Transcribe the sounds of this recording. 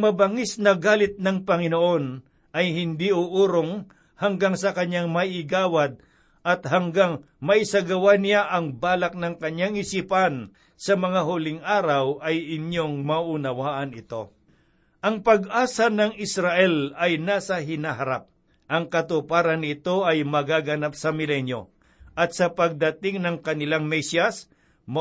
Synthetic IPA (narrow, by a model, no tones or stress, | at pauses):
mɐbɐŋisnɐɡaːlɪt̪̚nɐŋpɐŋɪnoʔo̞n | ʔɐjhɪnd̪iʔuʔuːɾoŋ | hɐŋɡaŋsɐkɐɲaŋmɐjɪɡaːwad̪̚ | ʔɐt̪̚haŋɡaŋ | mɐʔɪsɐɡɐwanɪjaʔɐŋbaːlak̚nɐŋkɐɲjaŋɪsiːpan | sɐmɐŋaɦʊlɪŋaːɾɐwʔɐjɪɲjoŋmɐʔʊnɐwaːʔɐnɪt̪o̞ | ʔɐŋpɐɡ̚ʔaːsɐnɐŋɪsɾaʔɛlɐjnaːsɐɦɪnaɦɐɾap̚ | ʔɐŋkɐt̪ʊpaːɾɐnɪt̪o̞ʔɐjmɐɡaɡɐnapsɐmɪlɛnjo̞̰ | ʔɐt̪̚sɐpɐɡ̚d̪ɐt̪ɪŋnɐŋkɐnɪlaŋmɛsjɐs | m